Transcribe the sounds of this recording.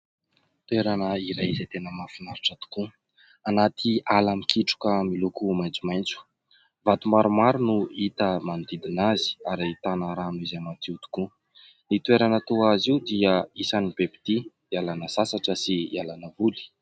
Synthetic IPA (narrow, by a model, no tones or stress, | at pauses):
t̪ueɾanəiɾajizat̪enəmafinaɾiʈ͡ʂat̪u̥ku | anat̪ʰialamikiʈ͡ʂu̥kəmilukumajnt͡sumajnt͡su̥ | vat̪umaɾumaɾunuit̪əmand̪id̪inazi̥aɾait̪anaɾanuizamat̪iut̪u̥ku | nit̪weɾanət̪uaziud̪iəisanibepi̥d̪i | alanəsasaʈ͡ʂəsialanəvuli̥